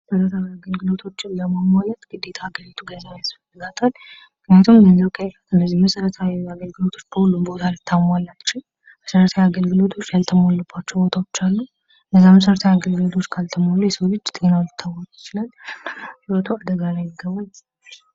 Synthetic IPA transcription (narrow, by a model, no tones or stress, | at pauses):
səɾət̪ʰawiaɡəlɡɨlo̞t̪ʰo̞t͡ʃːɪnləməmalət̪ɡ̥ɨd̪ːe̞t̪ʰaːɡəɾit̪ʰuɡənajasfəlːɨɡat̪ʰʼalmɨkʰnijat̪ʰumɡənzəwkʰʼəfət̪ɨnːəzːihməsəɾət̪ʰawiaɡəlɡɨlo̞t̪ʰo̞t͡ʃːb̥əhulːumbo̞t̪ʰalɨt̪ʰːamalːat͡ʃːɪw | məsəɾət̪ʰawjaɡəlɡɨlo̞t̪ʰo̞t͡ʃːjalt̪ʰəmolːəbːat͡ʃːɛwbo̞t̪ʰawot͡ʃːalːu | ɨnːəzːaməs̬əɾət̪ʰajaɡəlɡɨlo̞t̪ʰo̞t͡ʃːkʰalt̪ʰəmolːujɛsəwlɨd͡ʒːt̪ʼenawlɨt̪ʰːawakjɪt͡ʃɪlalsɨɾət̪ʰuad̪əɡalajɪɡːəβal